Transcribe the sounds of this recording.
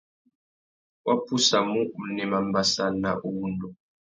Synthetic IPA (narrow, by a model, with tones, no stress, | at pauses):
wa˦pʰu˦sa˨mu˦ʔu˨nɛ˨ma˨mba˨sa˦˨na̰˨ʔu˦wu˦ndu˨